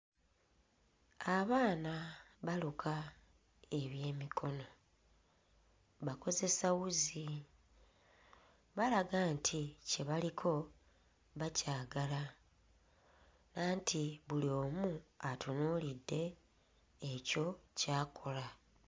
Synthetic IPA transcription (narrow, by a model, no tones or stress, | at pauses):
aβaːnaβalukʰa | e̞βje̞ːmikʰo̞no̞ | βako̞ze̞sawuzi | βalaɡantʰice̞βalikʰo̞ | βacaːɡala | naːntiβulioːmuatunuːlidːe̞ː | co̞caːkʰo̞la